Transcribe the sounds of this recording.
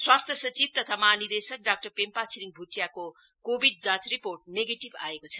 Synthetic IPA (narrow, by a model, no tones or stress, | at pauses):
swast̪ʰjʌsʌt͡sib̚t̪ʌt̪ʰamanid̪esʌk̚ɖak̚ʈʌrpempat͡sʰiliŋbʱuʈjako | kobʱiɖ̚d͡zãt͡sriporʈ̚neɡeʈiba̰ekot͡sʰʌ